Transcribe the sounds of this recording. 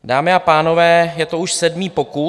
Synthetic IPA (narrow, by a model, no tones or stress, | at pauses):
daːmɪapaːno̞vɛːjɛt̪o̞uʃsɛdmiːpo̞ku